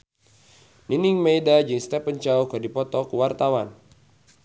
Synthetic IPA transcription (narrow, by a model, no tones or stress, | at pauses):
niniŋmejdad͡ʒiŋst̪ɛpəɲt͡ʃaukadipɔt̪ɔkuwart̪awan